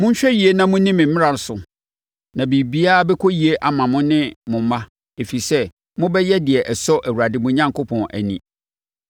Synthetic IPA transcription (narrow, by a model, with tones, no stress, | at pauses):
mʊ̃˦ɲ̩˦ɕᶣɛ˦ji˨e˦nã˦mʊ̃˦nĩ˦mɪ̃˨m̩˦mɪ̃˦ɾa˨ɾsʊ˨ | nã˨bi˨bi˦a˦a˦bɛ˦kʰo˦ji˨e˦ʔa˨mã˨mʊ̃˦nɪ̃˦mʊ̃˨m̩˦mã˦ | e˨fi˨sɛ˦ | mʊ̃˦bɛ˦jɛ˦dɪ˨ɛ˨ʔɛ˨sɔ˦ʔæ˨wu˨ɾa˨dɪ˨mʊ̃˦ɲã˦ŋko˦pʰɔ̃˨nʔæ̰˨nḭ̃˨